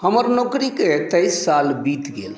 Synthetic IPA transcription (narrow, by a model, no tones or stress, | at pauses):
həməɾnokɾiket̪əjsːalbit̪ɡḛl